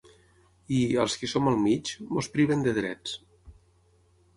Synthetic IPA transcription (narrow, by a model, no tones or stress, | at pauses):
iəlˠskisoməlˠmit͡ʃmospɾiβ̞ənd̪əðɾɛt͡s